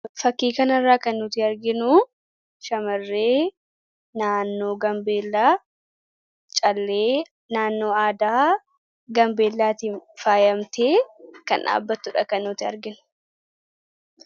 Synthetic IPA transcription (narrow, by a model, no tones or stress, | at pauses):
fɐkːiːkɐnɐrːaːkɐnːʊt̪ɪɐɾɡɪnʊ | ʃɐmɐrːe̞ː | naːnːo̞ːɡɐmbe̞ːlːaː | t͡ʃʼɐlːeː | naːnːo̞ːaːd̪aː | ɡɐmbe̞ːlːaːt̪iːnfaːjɐmt̪eːkɐnʔa̰ːbːɐt̪ːʊᶑɐkɐnːʊt̪ɪɐɾɡɪnʊ̥